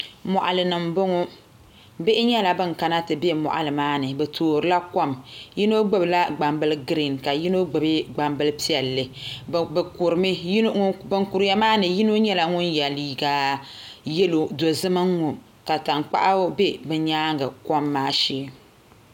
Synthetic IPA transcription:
mɔ˨ʔa˨lɨ˨nɨ˨mbo˦ŋʊ˦ | be˦ʔɪ˦ɲɛ˦la˨bɨ˦ŋka˨na˦tɨ˨be˦mɔ̰˨ʔa̰˨lɨ˨maː˦nɨ˨bɛ˨tʰoː˨ɾɨ˦la˦kɔ˦mji˦no˦ɡ͡bɨ˦bla˦ɡ͡ba˨mbɨ˦lɡɾi˨nka˨ji˦no˦ɡ͡bɨ˨bɨ˦ɡ͡ba˨mbɨ˦lpi˦ɛ˨lːɨ˨bɛ˨ku˨ɾɨ˨mɨ˦bɨ˦ŋku˨ɾja˦maː˦nɨ˨ji˦no˦ɲɛ˦la˨ŋʊ˦njɛ˨liː˨ɡa˨ | jɛ˦lo˨do˨zɨ˦mɨ˦ŋ˦ŋʊ˨ | ka˨ta˨ŋk͡pa̰˦ʔa˦bɛ˦bɛ˨ɲaː˦ŋɡɨ˨kɔ˦mːaː˦ʃeː˨˦

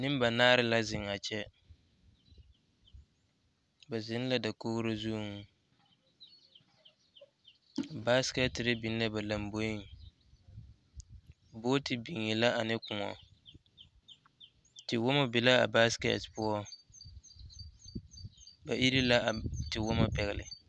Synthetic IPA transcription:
nɪ˦m˦ba˨naː˦ɾɪ˦la˦zɪ˨ŋa˨t͡ʃɛ˦ | ba˨zɪ˨˦n˦la˦da˨koː˦hɾo˦zu˦ŋ˦ | ba˦skɛ˦tɾɪ˦bi˨n˦la˦ba˨la˨mbo˦ji˦ŋ | boː˦tɪ˨bi˨ŋɪ˨la˦a˨nɪ˦kʊ˨ŋɔ̰˨ | tɪ˨wʊ˦ma˦bɪ˨la˦a̰˨ba˦skɛ̰˨tpʊ˦ɔ˦ | ba˨ʔi˦ɾi˦la˦˨tɪ˨wʊ˦ma˨pɛ˨ɣɪ˨lɪ̰˨

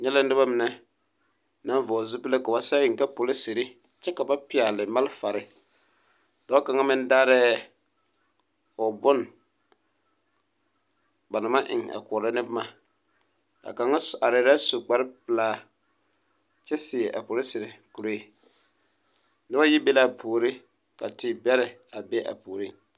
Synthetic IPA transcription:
ɲɛ˦la˦n˦ɪ˦ba˦mɪ˨nɛ˦ | na˦n˦vɔ˨zu˦pɨ˦la˦ka˨ba˨sa˦jɪ˨ŋ˨ka˦po˨lɪ˦se˨ɾɪ˦ | t͡ʃɛ˦ka˨ba˦pɪ˨a˨lɪ˨ma˦lfa˨ɾɪ˦ | da˨˦a˦ka˨ŋa˦mɪ˦n˦daː˦ɾɛ˦ | ʊ˨bʊ˦n | ba˨na˨ma˦ʔɪ̰˨ŋa̰˨kʊ˨ɾɪ˦nɪ˦bma˨ | a̰˨ka˨ŋa˦a˨ɾɛ˨ɾa˦su˨ɡ͡ba˨ɾɪ˦pɪ˨laː˦ | t͡ʃɛ˦sɪ˨ɛ˨ʔa̰˨po˨lɪ˦sɪ˨ɾɪ˦ku˨ɾo˦i˨ | nɪ˦ba˦jɪ˦be˦la˦˨poː˨ɾɪ˦ | ka̰˨tɪ˨bɛ˦ɾɪ˨ | a˨be˦ʔa̰˨poː˨ɾi˦ŋ

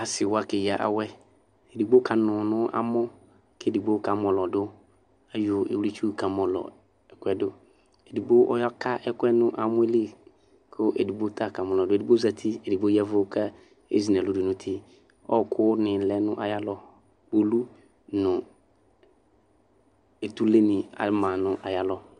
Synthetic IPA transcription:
a˨sɪ˨wa˦kɪ˨ja˨ʔa̰˨wɛ˦ | e˨du˨ɡ͡bo˦kʰa˨nʊ̃˨nʊ̃˦ʔa̰˦mʊ̃˦ | ke˦˨du˨ɡ͡bo˦ka˨˦mɔ̃˨lɔ˨dʊ˦ | a˨jʊ˨ḛ˨wi˦t͡ʃu˦˨ka˨mɔ̃˨lɔ̰˨ | ɛ˨kʷɛ˦dʊ˦ | e˨du˨bo˦ʔɔ̰˦jɔ˦kʰa˦ʔɛ˦kʊ˦ɛ˦nʊ̃˦ʔa˨mʊ̃˦e˦li˦˨ | kʰʊ˦ʔḛ˨du˨bo˦tʰa˦˨ka˨mɔ̃˨lɔ˨dʊ˦˨du˦bo˦za˨tʰɪ˦e˨di˨bo˦a˦vʊ˦kʰa˦ | ḛ˦zi˨nã˨lʊ˦dʊ˨nʊ̃˦tʰɪ˦ | ɔ˦˨kʰʊ˦nɪ̃˨lɛ˨˦nʊ̃˦ʔa˨ja˦lɔ˨ | bo˨lu˦ | nʊ̃˨ | e˨tu˦le˦nɪ̃˨a̰˨˦mã˨nʊ̃˦ʔa˨ja˦lɔ˦

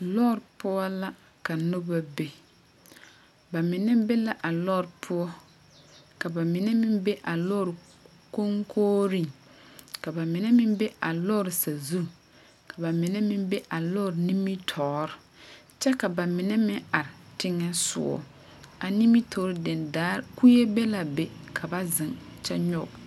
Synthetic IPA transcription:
lɔ˦˨ɾpʊ˦ɔ˦la˦ | ka˨nʊ˦ba˦be˦ | ba˨mɪ˨nɛ˦be˦la˦ʔa˨lɔ˦˨ɾɪ˨pʰʊ˦ɔ˦ | ka˨ba˨mɪ˨nɛ˦mɪ˦mbe˦ʔa˨lɔː˦˨ɾɪ˨ | ko˦ŋkʰoː˦ɾi˦˨ŋ | ka˨ba˨mɪ˨nɛ˦mɪ̃˦mbe˦a˨lɔː˦˨ɾɪ˨sa˨zu˦˨ | ka˨ba˨mɪ˨nɛ˦mɪ˦mbe˦ʔa˨lɔ˦˨ɾni˦mi˦tʰɔː˨˦ɾɪ˨ | t͡ʃɛ˦ka˨ba˨mɪ˨nɛ˦mɪ˦ŋa˨ɾɪ˨tɪ˦ŋɛ˦sʊ̰˦ɔ̰˦ | a˨ni˦mi˦tʰɔː˨˦ɾɪ˦dɪ˨ndaː˦ɾku˦je˦be˦la˨be˨kʰa˨ba˦zɪ˨ŋt͡ʃɛ˦ɲɔ˦˨b

